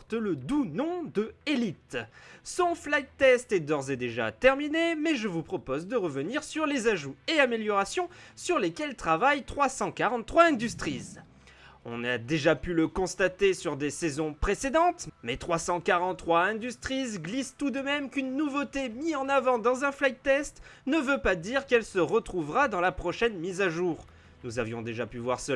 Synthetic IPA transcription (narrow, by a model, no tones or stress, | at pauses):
ʁt̪ələd̪unɔ̃d̪əelit̪sɔ̃flajt̪ɛst̪ɛd̪ɔʁzɛd̪eʒa̰t̪ɛʁminemɛʒəvupχɔpozd̪əʁəvəniʁsyʁlezaʒueameljɔʁasjɔ̃syʁlekʲɛlt̪χavajt̪χwasɑ̃kaʁɑ̃t̪t̪ːχwaɛ̃d̪yst̪χiz | ɔ̰̃nad̪eʒapyləkɔ̃st̪at̪esyʁd̪esɛzɔ̃pχesed̪ɑ̃t̪mɛt̪χwasɑ̃kaʁɑ̃t̪t̪ːχwaɛ̃d̪yst̪χizɡlist̪ud̪əmɛmkynːuvot̪emiɑ̃navɑ̃d̪ɑ̃zɛ̃flajt̪ɛst̪nəvøpad̪iʁkɛlsəʁət̪χuvʁad̪ɑ̃lapχɔʃɛnmizaʒuːʁ | nuzavjɔ̃d̪eʒapyvwaʁsə